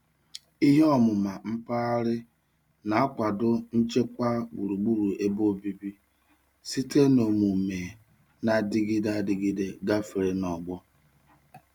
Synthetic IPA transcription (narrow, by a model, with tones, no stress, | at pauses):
i˦ɦe˦ɔ˦mʊ˨ma˨m̩˦pa˦a˦ɾɪ˦ | na˨a˦kʷa˨dʊ˦n̩˦t͡ʃe˦kʷa˦ɡ͡bu˨ɾu˨ɡ͡bu˦ɾu˨ʔe˦bo˦˨bi˦bi˦ | si˦tʰe˦no˨mu˨me˨ | na˨dɪ˦ɡɪ˦da˦˨dɪ˨ɡi˦de˦ɡa˦fi˨ɾe˦nɔ˨ɡ͡bɔ˦